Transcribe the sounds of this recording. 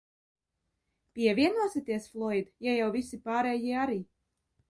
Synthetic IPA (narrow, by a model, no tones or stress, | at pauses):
pʲiɛvʲiɛnuɔsit̪iɛsflˠɔjd̪jajawvisipaːɾɛːjiɛaɾiː